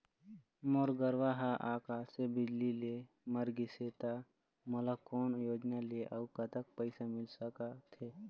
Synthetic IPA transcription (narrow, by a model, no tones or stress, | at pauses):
moɾɡəɾʋaːɦaʔaːkaːsebɪd͡ʒlile | məɾɡiseːt̪a | mələkɔːnjoːd͡ʒnaleʔəʊkət̪ək̚pəɪsamɪlsəkat̪ʰeː